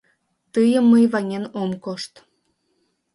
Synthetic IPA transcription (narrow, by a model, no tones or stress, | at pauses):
t̪əjəmːəjβɑnʲenomkoʃt̪